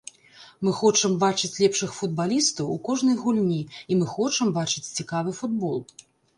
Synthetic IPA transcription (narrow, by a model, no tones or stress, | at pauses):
mɨxɔt͡ʂɐmbat͡ʂɨt͡sʲlʲɛpʂɨxfud̪̚balʲist̪ɐwukɔʐnɐjɣulʲnʲiimɨxɔt͡ʂɐmbat͡ʂɨt͡sʲt͡sʲikavɨfud̪bɔlˠ